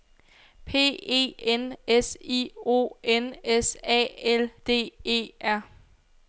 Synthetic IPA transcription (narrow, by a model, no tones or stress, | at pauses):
pʰe̝̰ːe̝̰ːenesḭːo̝̰ːenesɛ̰ːeld̥e̝̰ːe̝̰ːʔæɐ̰